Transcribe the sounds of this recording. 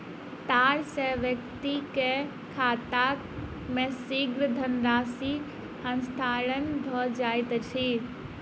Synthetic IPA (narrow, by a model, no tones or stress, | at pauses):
t̪aːɾseʋjək̚t̪ike | kʰaːt̪ak | mẽsiɡɾəd̪ʱənɾaːsik | hə̃nst̪ʰaːɾənd̪ʱɔd͡ʒaːjt̪t͡ʃʰi